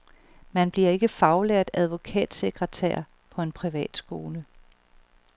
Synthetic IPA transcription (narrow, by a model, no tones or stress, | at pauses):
mænb̥liɐe̝ɡ̥əfɑ̈ʊleɐ̰d̥æð̞ˠʋo̝kʰɛ̰ːd̥se̝ɡ̥ʁət͡sʰæ̰ɐ̰ | pʰɒ̽e̝npʰʁiʋɛ̰ːd̥sɡ̥o̝ːlə